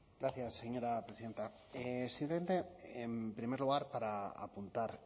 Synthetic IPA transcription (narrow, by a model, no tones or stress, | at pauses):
ɡɾaθjasːe̞ɲo̞ɾapɾesiðe̞nt̪a | esimpleme̞nt̪e̞empɾime̞ɾluɣ̞aɾpaɾaa̰punt̪aɾ